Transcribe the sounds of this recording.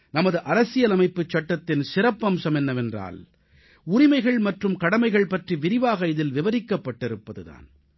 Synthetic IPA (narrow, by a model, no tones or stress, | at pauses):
nɐmɐðɯʔɐɾɐsɪjɐlɐmɐɪpːɯt͡ʃːɐʈːɐt̪ːɪnsɪɾɐpːɐmsɐmɛnːɐʋɛndra̰ːl | ʊɾɪmɐɪɣɐɭmɐʈrɯmkɐɽɐmɐɪɣɐɭpɐʈriʋɪɾɪʋaːɣɐɪðɪlʋɪʋɐɾɪkːɐpːɐʈːɪɾɯpːɐðɯða̰ːn